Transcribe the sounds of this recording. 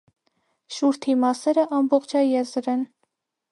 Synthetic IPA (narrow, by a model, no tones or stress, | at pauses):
ʃuɾt̪ʰimɑsɛɾəʔɑmbɔχt͡ʃʰɑjɛzɾɛn